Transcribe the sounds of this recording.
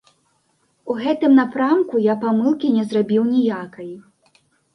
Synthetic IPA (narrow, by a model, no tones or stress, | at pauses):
uɣɛt̪ɨmnapɾamkujapamɨlˠkʲinʲɛzrabʲiwnʲijakɐj